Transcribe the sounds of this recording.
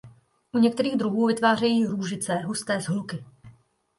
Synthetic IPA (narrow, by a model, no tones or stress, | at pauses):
ʔuɲɛk̚t̪ɛɾiːɣd̪ɾuɦuːvɪt̪vaːrɛjiːɾuːʒɪt͡sɛːɦust̪ɛːzɦlukɪ